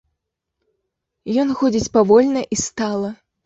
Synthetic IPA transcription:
jɔnxɔd͡zʲit͡sʲpavɔlʲnɐʔist̪alˠɐ

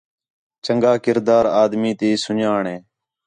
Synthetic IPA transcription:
t͡ʃəŋɡaːkɪɾd̪aːɾaːd̪miːt̪eːsʊɲaːɳẽː

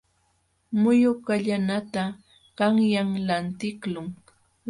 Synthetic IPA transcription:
mʊjʊkaʎanat̪a | kaŋjaŋlant̪ɪklʊŋ

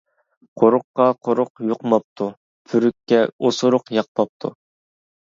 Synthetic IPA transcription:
qʰoɾʊqːɑqʰoɾʊqjoqmɑp̚t̪ʰu | pʰyɾykʲʰːɛosʊɾʊqjɑq̚p̪ʰɑp̚t̪ʰṵ

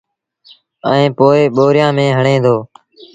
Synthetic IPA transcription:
ə̰ẽːpoːeːɓoːɾɪjãːmẽːɦəɳẽːd̪oː

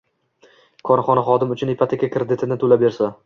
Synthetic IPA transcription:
kʰɒɾχɒnaχɒd̪ɪmʊt͡ʃʰʊnepʰat̪ʰakʲakɾed̪ɪt̪ʰɪnɪt̪ʰolabe̞ɾsa

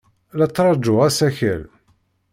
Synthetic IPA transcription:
læt͡sːɾˤɑd͡ʒʊʁæsæçæ̰l

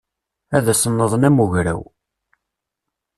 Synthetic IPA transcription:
æðæsənːəðˤnæmuʝɾæ̰w

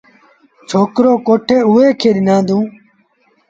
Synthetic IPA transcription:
t͡ʃʰoːkɾoːkoːʈʰeːʊːeːkʰeːɗɪnãːnd̪ũː

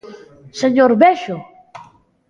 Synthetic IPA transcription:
seɲoɾbeʃo

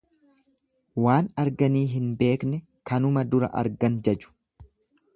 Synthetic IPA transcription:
waːnɐɾɡɐniːɦɪnbe̞ːknɛ | kɐnʊmɐd̪ʊɾɐ̰ʔɐ̰ɾɡɐnd͡ʒɛd͡ʒʊ̥

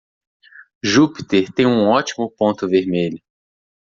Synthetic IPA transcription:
ʒupit̪eɾt̪ẽj̃ũɔt͡ʃimʊpõnt̪ʊveɾmeʎʊ

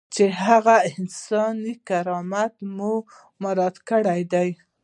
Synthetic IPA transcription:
t͡ʃehaɣaɪnsɑnikaɾɑmat̪mu | maɾɑd̪kəɽajd̪aj

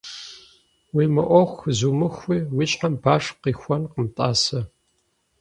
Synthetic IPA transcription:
wiːmɨʔʷɔxʷzuːmɨxʷiːwiɕʼħambaːʂqiːxʷɔnqəmtʼaːsɐ

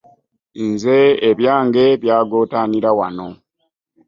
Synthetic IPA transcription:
nzeːβjaːŋɡe̞βjaːɡo̞ːtaːniɾawano̞

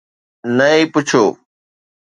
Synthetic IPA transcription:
nəĩːpʊt͡ʃʰoː

